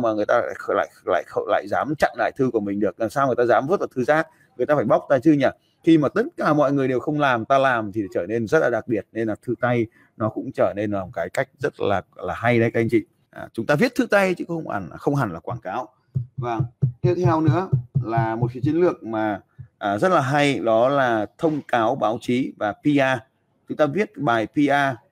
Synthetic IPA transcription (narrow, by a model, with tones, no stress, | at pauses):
maː˨˩ŋɨ˨˩əjt̪aː˧a̰ː˧˨ə˧˩la̰ː˧˨jla̰ː˧˨jxə̰˧˨la̰ː˧˨jzaː˨˦mt͡ɕa̰˧˨ŋla̰ː˧˨jt̪ʰɨ˧ku˧˩əmï˨˩ŋ̟ɗɨ˨˩ək̚laː˨˩saː˧wŋ˨˩jt̪aː˧zaː˨˦mvə˦˥t̚vaː˨˩t̪ʰɨ˨˧˦zaː˦˥k̚ | ŋɨ˨˩jt̪aː˧aː˧˩jɓa˦˥wk͡p̚t̪aː˧t͡ɕɨ˧ɲaː˨˩ | xi˧maː˨˩t̪ə˦˥t̚kaː˧˩mɔ̰˧˨jŋɨ˨˩əjɗe˨˩wxə˧wŋ͡mlaː˨˩mt̪aː˧laː˨˩mt̪ʰi˨˩ɗa˨˦jt͡ɕəː˧˩ne˧nzə˦˥t̚laː˨˩ɗa˨˩k̚ɓi˨˩ət̚ne˧nlaː˨˩t̪ʰɨ˧t̪a˧j | nɔ˨˦kʊ̰˧˥ŋ͡mt͡ɕəː˧˩ne˧nvaː˨˩kaː˨˦jka˦˥jk̟̚zə˦˥t̚laː˨˩laː˨˩ɦa˧jɗə˨˦jka˨˦ʔjŋt͡ɕḭ˧˨ | ʔa˨˩t͡ɕʊ˨˦ŋ͡mt̪aː˧vi˦˥ət̚t̪ʰɨ˧t̪a˧jt͡ɕɨ˨˦xə˧wŋ͡ma̰˧˩n˨xə˧wŋ͡mɦa˨˩nlaː˨˩kwaː˧˩nkaː˨˦w | vaː˨˩ŋt̪i˦˥t̚t̪ʰɛ˧wnɨ̰˧˥əlaː˨˩mo˨˩si˨˦t͡ɕi˨˦nlɨ˨˩ək̚maː˨˩ʔːzə˦˥t̚laː˨˩ɦa˧jɗɔ˨˦laː˨˩t̪ʰə˧wŋ͡mkaː˨˦wɓaː˨˦wt͡ɕi˨˦vaː˨˩pi˧ʔaː˧ | t͡ɕʊ˨˦ŋ͡mt̪aː˧vi˦˥ət̚ɓaː˨˩jpi˧ʔaː˧